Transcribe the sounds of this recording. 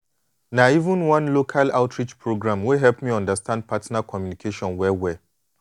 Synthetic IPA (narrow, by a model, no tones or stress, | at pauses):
naivə̃nwãnlokʰalaʊtʰɹit͡ʃpʰɹoɡɹãmwiɦɛlpmiɔ̃ndastʰãnd̚pʰatnakʰɔmjunikʰeʃɔ̃nwɛwɛ